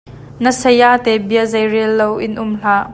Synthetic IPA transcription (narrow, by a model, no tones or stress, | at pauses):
nəsɐjaʔt̪ɛbiəzɐjrilːowʔɪnʔʊmɬaːʔ